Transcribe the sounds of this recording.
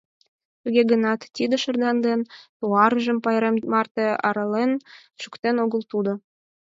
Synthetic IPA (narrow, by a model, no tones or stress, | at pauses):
t̪uɣʲeɡənɑt̪ːid̪ə̆ʃə̆rd̪ɑnd̪ent̪uɑɾʒə̆mpɑjɾemmɑrt̪eɑ̰ɾɑlenʃukt̪enoɣəlt̪ud̪ŏ